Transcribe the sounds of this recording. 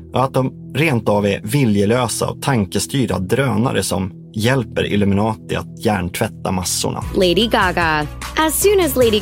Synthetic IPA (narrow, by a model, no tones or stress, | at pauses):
ʔɔat̪̚d̪ɔm | ɾeːnt̪avɛvɪljəløːsa̰ɔ̰t̪ʰaŋkəst̪yːɾa̰d̪ɾøːna̰ɾəsɔm | jɛlpəɾɪ̰lɵmɪnɑːt̪ɪa̰t̪jæːɳʈʰvɛt̪ːamasːʊ̰ɳʔa̰leɪɾiɡɑɡəʔæz̥sʉ̃ːnɨzleɪɾi